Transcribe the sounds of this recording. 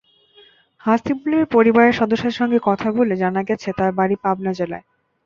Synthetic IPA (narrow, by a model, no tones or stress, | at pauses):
hast̪ibuleɾpoɾibaɾeɾʃɔd̪oʃːeɾʃɔŋɡekɔt̪ʰaboled͡ʑanaɡɛt͡ɕʰet̪aɾbaɾipabnad͡ʑela̰e